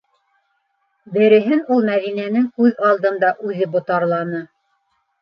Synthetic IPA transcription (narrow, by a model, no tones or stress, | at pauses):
bɘ̆ɾɘ̆ɦɘnulˠmæðinænɘŋkʉðɑlˠd̪ɤ̆nd̪ɑʔʉðɘbŏt̪ɑɾlˠɑnɤ